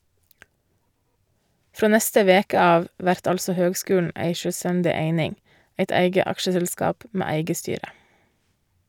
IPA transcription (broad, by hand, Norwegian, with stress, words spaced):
ˈfɾoː ˈnɛstə ˈʋeːkə ˈɑːʋ ˈʋæɾt ˈɑlsɔ ˈhøːɡˌskʉːɳ̩ ˈʔæɪ ʃœˈstændɪ ˈeɪnɪŋ ˈeɪt ˈæɪɡə ˈɑkʃəsɛlˌskɑːp ˈmeː ˈæɪɡə ˈstyːɾə